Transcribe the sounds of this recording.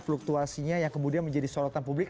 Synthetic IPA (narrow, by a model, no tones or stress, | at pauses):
fluk̚t̪uasiɲajaŋkəmudianməɲd͡ʒadisolɔt̪anpublɪk